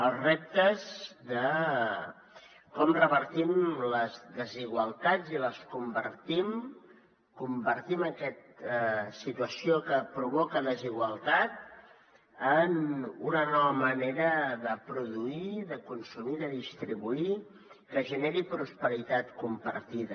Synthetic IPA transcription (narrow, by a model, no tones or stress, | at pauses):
əlˠzrep̚t̪əzðə | kɔmrəβəɾt̪imləzðəziɣwəlˠt̪ad͡ziləskumbə̰ɾt̪im | kumbəɾt̪iməkɛt̪əsit̪uəsiokəpɾuβɔkəðəziɣwəlˠt̪at̪̚ | ənunənɔβəməneɾəðəpɾuðuiðəkunsumiðəðist̪ɾiβui | kəʒəneɾipɾuspəɾit̪at̪kumpə̰ɾt̪iðə